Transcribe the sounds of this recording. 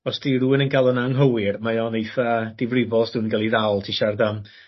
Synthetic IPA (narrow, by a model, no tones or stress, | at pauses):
ɔsd̥iruːɪnənɡalˠənaŋɦəwɪrmajɔnejθəd̥ɪvrɪvɔsd̥uːnnɡɛlˠiðawlˠtʰiʃardam